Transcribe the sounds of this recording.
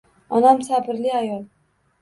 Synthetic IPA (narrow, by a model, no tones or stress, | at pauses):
ɒnamsabɪɾlɪajɒlˠ